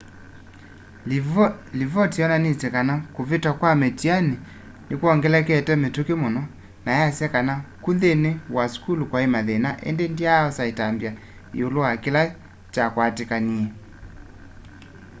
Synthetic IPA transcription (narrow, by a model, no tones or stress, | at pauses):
livɔtiɔnanisɛkanakuvetwakwamɛtiani | nekuɔŋɡɛlɛkɛtɛmetukemɔnɔ | najasjɛkanakuðenewaskulukwaemaðenaʔɛ̰ndendiaɔsaitambja | ḭoloakila | t͡ʃakwatekaniɛ